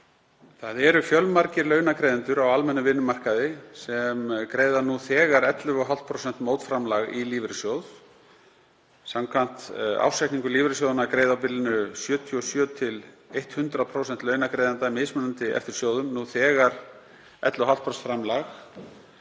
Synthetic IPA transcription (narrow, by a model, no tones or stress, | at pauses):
θaðɛɾʏfjœlmaɾcɪɾlœːɥnakɾeːjðɪnt̪ʏɾawalmɛnːʏvɪnːʏmar̥kaðɪsɛmkɾeːjðanuθɛːɣaɾɛt̪lʏɔɦal̥t̪̚pʰɾowsɛn̥t̪mowt̪fɾamlaɣiliːvɾɪsjoːwθ | samkʰvan̥t̪a̰wsɛjkniŋkʏɾliːvɾɪs̬owðʏnakɾeːjðawpɪlɪnʏsjœːt̪ʰiɔsjœːt̪ʰɪl | ejht̪hʏnt̪ɾaðpʰɾowsɛn̥t̪lœːɥnakɾejðant̪amɪːsmʏnant̪ɪʔɛ̰ft̪ɪɾ̥sjoːwðʏmnuθɛːɣaɾ | ɛt̪lʏɦalt̪pʰɾɔst̪fɾamlax